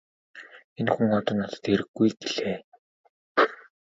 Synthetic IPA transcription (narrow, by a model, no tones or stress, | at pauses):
enxuŋɔt̪ɞ̆nɔt̪ɞ̥̆t̪xeɾɘ̆ɡːujɡeɮeː